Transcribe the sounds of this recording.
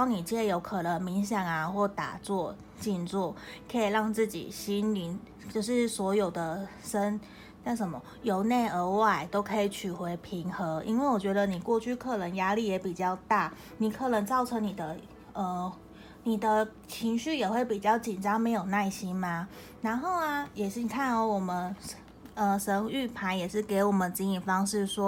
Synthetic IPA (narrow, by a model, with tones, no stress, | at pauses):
ʊni˨˩t͡ɕɛ˥jo˧˥ʊkʰɤ˨˩nə˧˦ŋmi˧˥ŋɕjɑ˨˩ŋa˦xwɔ˥˩t̪a̰˨˩t͡swɔ˥˧ | t͡ɕi˥˧nt͡swɔ˥˩kʰɤ˧˥i˨˩ɻɑ˥˧ŋt͡sɹ̩˥˩t͡ɕḭ˨˩ɕi˥nli˧˥n | t͡ɕjo˥˧ʊʂɻ̩˥˩swɔ˧˥jo˨˩ʊd̪ə˦ʂə˦˥n | na˥˩ʂə˧˥nmə˧˦ | jo˧˥ʊne˥˩ɪə˧˥wa˥˩ɪt̪o˥ʊkʰɤ˧˥i˨˩t͡ɕʰy˨˩xwe˧˥ɪpʰi˧˥ŋxɤ˧˦ʔḭ˥nwe˥˩ɪwɔ˨˩t͡ɕɥɛ˧˥d̪ə˧ni˨˩kwɔ˥˧t͡ɕʰy˥˧kʰɤ˥˩nə˧˥ŋja˥li˥˩jɛ˧˥pi˨˩t͡ɕjɑ˥˧ʊt̪a˥˩ | ni˨˩kʰɤ˥˩nə˧˦˥ŋt͡sɑ˥˩ʊʈ͡ʂʰɤ˧˦ŋni˨˩d̪ə˦ | ə˧ | ni˨˩d̪ə˦ | t͡ɕʰi˧˥ŋɕy˥˩jɛ˨˩xwe˥˩ɪpi˨˩t͡ɕjɑ˥˩ʊt͡ɕi˨˩nʈ͡ʂɑ˥ŋme˧˥ɪjo˨˩ʊna˥˩ɪɕi˦˥nma˧ | ɻa˧˥nxo˥˩ʊa˧jɛ˨˩ʂ̩˥˩ni˨˩kʰa˥˩nɔ˧˥wɔ˨˩mə˦n | ə˧˩ʂə˧˥ŋy˥˩pʰa˧˥njɛ˨˩ʂɻ̩˥˩ke˧˥ɪwɔ˨˩mə˨n˧t͡ɕi˧˥ŋi˨˩nfɑ˥ŋʂɻ̩˥˩ʂwɔ˥